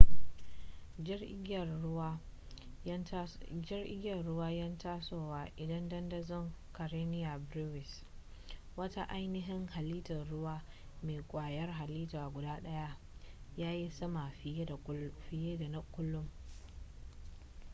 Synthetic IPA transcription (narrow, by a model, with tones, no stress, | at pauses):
ɪ˦rʔɪ̰˦ɡʲjɐ˨nɽʊ˦waː˦jɐ˦ntaː˦soː˦waː˨ʔɪ˨dɐ˦ndɐ˦ndɐ˦zɔ˦ŋkɐ˨ɾeː˦nɪ˦ja˨bɾu˦wɪ˨s | wɐ˦ta˦ʔa˦jnɪ˦ɦɪ˦ŋha˨liː˦tɐ˨nɽʊ˦waː˦meː˨kʷʼaː˨jɐ˦rɦa˨liː˦taː˨ɡʷʊ˨daː˦ɗɐ˦ja˦ʔ | jaː˦ji˦sɐ˦ma˨˦˨ɸɪ˨jeː˦da˨na˦kʷːʊ˦lːʊ˦m